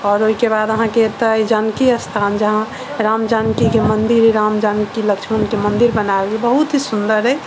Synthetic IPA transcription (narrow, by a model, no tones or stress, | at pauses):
ɔːɾoikebad̪əɦãket̪əid͡ʒankiəst̪ʰand͡ʒəɦã | ɾamd͡ʒankikemənd̪iɾiɾamd͡ʒankiləkt͡ʃʰmənkemənd̪iɾbənabelbəɦut̪ɦisund̪əɾɦə